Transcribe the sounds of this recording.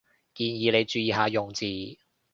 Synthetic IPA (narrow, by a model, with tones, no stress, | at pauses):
kiː˧njiː˨˧le˨˧jt͡ʃyː˧jiː˨˧ɦaː˨˧jʊ˨ŋt͡siː˨